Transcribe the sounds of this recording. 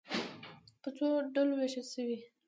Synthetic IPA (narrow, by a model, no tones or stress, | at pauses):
pət͡soɖəloweʃəlsəwi